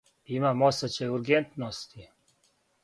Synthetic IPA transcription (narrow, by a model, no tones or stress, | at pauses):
imamosat͡ɕɛuɾɡent̪nost̪i